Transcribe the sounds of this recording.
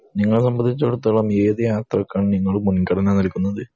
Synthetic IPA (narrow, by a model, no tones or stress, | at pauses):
niŋːɐɭsɐmbɐnd̪it͡ɕːɐɽut̪ːɐɭɐmeːðɨjaːt̪rɐkːaːɳniŋːɐɭmunkːɐɽɐnanɐlkʲːunːɐðɨ